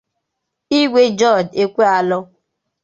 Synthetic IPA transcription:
i˦ɡʷe˦d͡ʒɔ˦˨de˦kʷe˦a˨lɔ˦

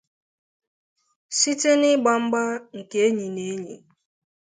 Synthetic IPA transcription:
si˦te˦nɪ˦ɡ͡ba˨m̩˦ɡ͡ba˦ŋ̩˨ke˦e˦ɲi˨ne˨˦ɲḭ˨

